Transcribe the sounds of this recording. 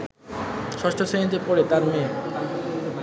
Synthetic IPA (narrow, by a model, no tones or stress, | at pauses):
ʃɔʃʈʰoseɦid͡ʑ̪epoɾet̪aɾmẽ